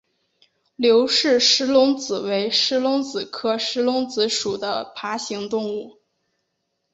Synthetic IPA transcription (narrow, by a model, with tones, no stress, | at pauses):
ljo˧˥ʊʂɻ̩˥˩ʂɻ̩˥lʊ˧˥ŋt͡sɹ̩˨˩we˧˥ɪʂɻ̩˥lʊ˧˥ŋt͡sɹ̩˨˩kʰɤ˥ʂɻ̩˥lʊ˧˥ŋt͡sɹ̩˧˥ʂu˨˩d̪ə˦pʰa˧˥ɕi˧˥ŋt̪ʊ˥˧ŋu˥˩